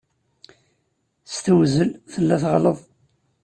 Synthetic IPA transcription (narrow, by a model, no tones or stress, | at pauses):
st̪wzəlθəlːæθʁləðˤ